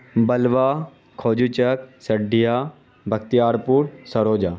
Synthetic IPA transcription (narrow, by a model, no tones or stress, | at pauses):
bɐlʋaː | kʰoːd͡ʒut͡ʃək̚sɐɖʱija | bʱɐkt̪ijaːɾpuːɽsɐɾoːd͡ʒaː